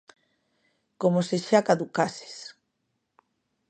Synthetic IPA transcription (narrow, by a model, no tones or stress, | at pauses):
komoseʃakaðukase̥s